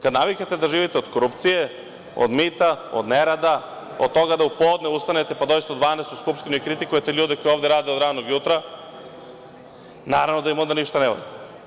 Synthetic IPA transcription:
kad̪naʋiket̪e̞d̪aʒiːʋit̪eo̞d̪koɾupt̪sije | o̰d̪mit̪ao̰d̪neɾad̪a | od̪̚t̪o̞ɡad̪aupoːd̪neust̪anet̪epad̪ojist̪aod̪ʋaːnest̪uskupʃt̪inuikɾit̪ikujet̪eʎuːd̪eko̞joʋvd̪eɛɾaːd̪eod̪ɾaːd̪noɡjut̪ɾa | naːɾavʋno̞d̪ajimo̞nd̪aniʃt̪anɛʋo̰ʎe

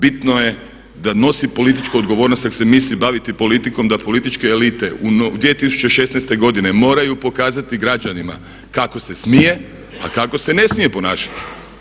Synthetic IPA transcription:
bit̪noje̞ | d̪ano̞sipo̞lit̪̬it͡ʃkuo̞d̪ɡoʋo̞ːɾnost̪ak̪semisibaʋit̪ipo̞lit̪ikomd̪apo̞lit̪it͡ʃke̞ːlit̪e̞und̪ʋiet̪isu̥t͡ɕeʃe̞snejst̪e̞ɡo̞d̪ine̞mo̞ːɾajupo̞kaːzat̪iɡɾad͡ʒanima̰ | kako̞se̞smije̞ | a̰kako̞se̞ne̞smije̞po̞naːʃḁt̪i̥

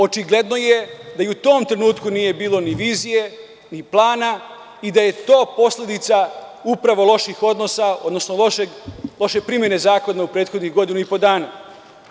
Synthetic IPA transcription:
o̞t͡ʃiɡle̞d̪no̞jed̪aiut̪o̞ːmt̪ɾe̞nuːt̪kunije̞biːlˠo̞niʋiːzije̞ | niplˠaːna | id̪aje̞t̪o̞ːpo̞sle̞d̪it̪saupɾaʋo̞lˠo̞ʃixo̞d̪no̞sao̞̰d̪no̞snoloʃeɡloʃe̞pɾimjene̞zaːkonaupɾe̞ːt̪xo̞d̪niɣɡo̞d̪inuipod̪aːna

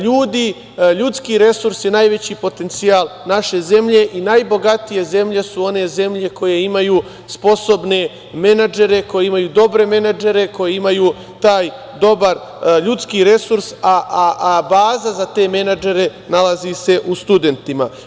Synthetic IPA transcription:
ʎuːd̪i | ʎut̪skiːɾe̞suɾsjenajʋe̞t͡ɕiːpo̞t̪e̞nt̪siaːlnaʃe̞ze̞mʎe̞ʔinajbo̞ɡat̪ije̞ze̞mʎe̞suo̞ne̞ze̞mʎe̞ko̞je̞imajuː | spo̞so̞bne̞ | me̞nad͡ʒe̞ɾe̞ko̞jeimajuːd̪o̞bɾe̞me̞nad͡ʒeɾe̞ko̞jeimajuː | t̪aːj | d̪o̞baɾ | ʎut̪skiːɾe̞suɾsaʔabaːzazat̪e̞ːme̞nad͡ʒe̞ɾe̞nalazise̞ʔust̪ud̪e̞nt̪ima

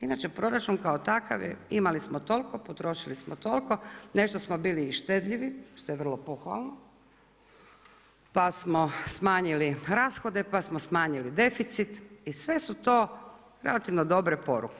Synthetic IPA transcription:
inat͡ʃe̞pɾo̞ɾat͡ʃunkaot̪aka̰ʋjḛimalismot̪o̞lʲkopot̪ɾo̞ʃilismot̪o̞lʲko̞ne̞ʃt̪osmobiːliːʃt̪ed̪ʎiʋiʃt̪o̞jeʋr̩lˠo̞poxʋa̰lˠno | pasmo̞smaːɲiliɾaːsxod̪e̞pasmosmaːɲilid̪e̞fit̪sit̪isʋe̞sut̪o̞ː | ɾe̞lat̪iʋnod̪o̞bɾepo̞ɾṵke

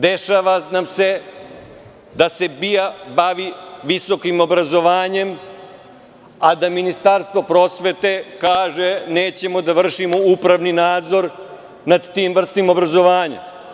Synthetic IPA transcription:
d̪eʃaʋanamse̞ | d̪ase̞bijabaʋiʋiso̞kimo̞bɾazo̞ʋaːɲe̞m | ad̪aminist̪aɾst̪ʋo̞pɾo̞ːsʋet̪e̞kaːʒeneːt͡ɕe̞mo̞d̪aʋr̩ʃimoupɾaʋninaːd̪zo̞ɾ | nad̪t̪iːmvr̩st̪imo̞bɾazo̞ʋaːɲa̰

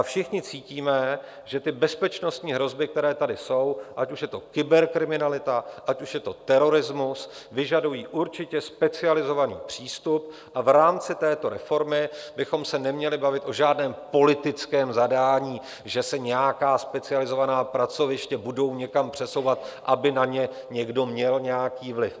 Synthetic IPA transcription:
fʃɪxɲɪt͡siːciːmɛ | ʒɛt̪ɪbɛspɛt͡ʃno̞st̪ɲiːɦɾo̞zbɪk̚t̪ɛɾɛːt̪adɪso̞wʔacuʃjɛt̪o̞kɪbɛɾkɾɪmɪnalɪt̪aʔacuʃjɛt̪o̞t̪ɛɾo̞ɾɪzmusvɪʒadujiːʔuɾt͡ʃɪcɛspɛt͡sɪalɪzo̞vanḭːpr̝̥iːst̪up̚ | ʔavɾaːmt͡sɪt̪ɛːt̪o̞ɾɛfo̞ɾmɪbɪxo̞msɛnɛmɲɛlɪbavɪt̪ʔo̞ʒaːdnɛːmpo̞lɪt̪ɪt͡skɛːmzadaːɲiː | ʒɛsɛɲɛjakaːspɛt͡sɪalɪzo̞vanaːpɾat͡so̞vɪʃcɛbudo̞wɲɛkampr̝̥ɛso̞wvat̪̚ʔabɪnaɲɛ | ɲɛɡdo̞mɲɛlɲɛjakiːvlɪf

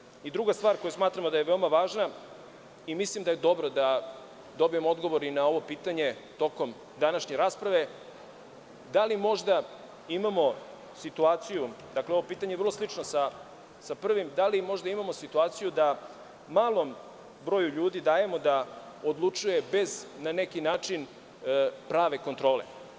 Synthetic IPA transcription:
id̪ɾuɡast̪vaːɾko̞jusmaːt̪ɾamod̪aje̞ʋe̞omaʋaːʒna | imislimd̪aje̞d̪o̞bɾod̪a | d̪o̞bije̞moo̞d̪ɡo̞ʋo̞ɾinao̞ʋo̞piːt̪aɲe̞t̪o̞ko̞m | d̪anaʃɲe̞ɾaːspɾaʋe̞ | d̪alimo̞ʐd̪a | imamo̞ | sit̪uaːt̪sijud̪akleo̞ʋo̞piːt̪aɲeer̩lˠo̞slˠit͡ʃnosa | sapr̩ʋimd̪alimo̞ʒd̪aimamosit̪uaːt̪sijud̪a | maːlˠo̞m | bɾo̞ːjuʎuːd̪id̪aːje̞mo̞d̪a | od̪lˠut͡ʃuje̞be̞znane̞kinaːt͡ʂin | pɾaːʋe̞ko̞nt̪ɾo̞ːlḛ

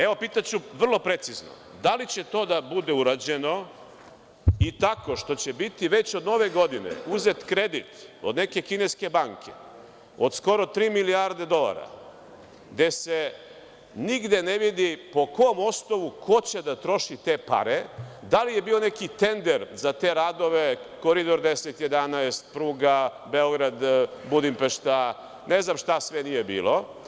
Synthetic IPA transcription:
eʋo̞piːt̪at͡ɕuʋr̩lˠo̞pɾe̞t̪sizno̰ | d̪alit͡ɕe̞t̪o̞ːd̪abud̪e̞uɾad͡ʑe̞no̞ | it̪ako̞ʃt̪o̞t͡ɕebit̪iʋe̞t͡ɕod̪no̞ʋe̞ɡo̞d̪inḛuze̞t̪kɾe̞d̪it̪o̞d̪ne̞ke̞kine̞ske̞baŋkʰe̥̰ | o̞d̪sko̞ɾo̞t̪ɾiːmiliaɾd̪e̞d̪o̞lˠa̰ɾa̰ | d̪e̞se | niɡd̪e̞neʋid̪ipo̞koomo̞snoʋukʰo̞t͡ɕed̪at̪ɾo̞ʃit̪e̞pa̰ɾed̪alijebiːone̞kit̪e̞nd̪eɾzat̪e̞ɾaːd̪o̞ʋekoɾid̪o̞ɾd̪eset̪jed̪anaest̪̚pɾuːɡa | beo̞ɡɾad̪bud̪impeʃt̪a | neznamʃt̪asʋenijebḭːlo̞

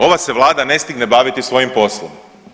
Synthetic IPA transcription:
o̞ʋase̞ʋlˠaːd̪ane̞st̪iɡnebaʋit̪isʋo̞jimpo̞slˠom

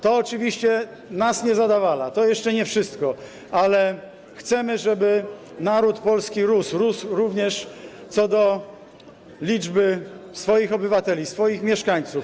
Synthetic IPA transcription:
t̪ɔːt͡ʂɘvʲiɕt͡ɕɛ | nasɲɛzad̪avalat̪ɔjɛʂt͡ʂɛɲɛfʂɘst̪kɔ | alɛ | xt̪sɛmɘʐɛbɘ | naɾut̪pɔlskʲiɾusɾusɾuvɲɛʂt̪sɔd̪ɔ | lʲid͡ʐbɘsfɔjixɔbɘvat̪ɛlʲisfɔjixmʲjɛʂkaɲt̪suf

